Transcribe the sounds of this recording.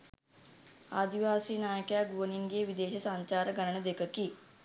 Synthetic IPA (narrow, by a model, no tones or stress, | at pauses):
aːd̪iʋaːsiːnaːjɐkjaːɡʋɐniŋɡijʋid̪eːʃɐsaːɲt͡ʃaːɾɐɡɐnɐɳɐd̪ekɐkːi